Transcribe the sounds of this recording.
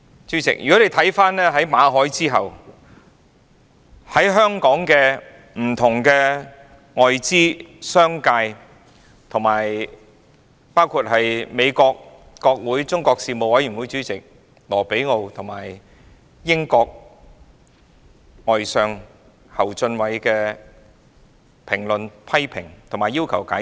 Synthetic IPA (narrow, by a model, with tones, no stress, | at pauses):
t͡ʃyː˨˥t͡sɪ̰˨k̚jy̰ː˨kɔ˨˥ne˧jt̪ʰɐ˨˥jfaː˥nlɛː˥ɦɐ˨˥jmaː˨˧ɦɔː˨˥jt͡siː˥ɦɐ˨w | hɐ˨˥jɦœː˥ŋkɔː˨˥ŋkɛː˧ | m̩˨˩t̪ʰʊ˨˩ŋkɛ˧ | ŋɔː˨jt͡siː˥sœː˥ŋkaː˧j | t̪ʰʊ˨˩ŋmaː˨˩j | paː˥wkʰuː˧t̚hɐ˨jme˨˧jkɔː˧k̚ː | ɔː˧k̚wuː˨˥jt͡sʊ˥ŋkɔː˧k̚siː˧mo˨wɐ˨˥jy˨˩nwu˨˥jt͡ʃyː˨˥t͡sɪ˨k̚ | lɔː˨˩pe˨˥jŋo˧wt̪ʰʊ˨˩ŋmaː˨˩j | jɪ˥ŋkɔː˧k̚ | ŋɔː˨jsœː˨˧ŋ | hɐ˨˩wt͡sɵ˧nwɐ˨˧jkɛː˧ | pʰɪ˨˩ŋlɵ˨npʰɐ˥jpʰɪ˨˩ŋt̪ʰŋmaː˨˩jiː˥wkʰɐ˨˩wkaː˨˥